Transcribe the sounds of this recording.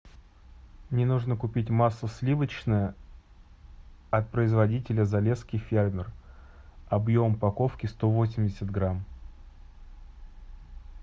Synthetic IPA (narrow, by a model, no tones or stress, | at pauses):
nʲɪnuʐnəkʊpʲitʲmasːəsʲlʲivət͡ɕnəjə | ɐt̪̚pɾəɪzvɐdʲitʲɪlʲəzɐlʲeskʲɪfʲermʲɪr | ɐbjo̞mpɐko̞fkʲɪst̪o̞vo̞sʲɪmʲdʲɪsʲət̪̚ɡɾam